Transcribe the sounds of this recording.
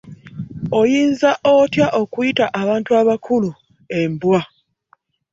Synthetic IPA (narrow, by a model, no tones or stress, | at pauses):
ojiːnzaʔotjaʔo̞kujitaʔaβaːntuaβakʰulu | embwa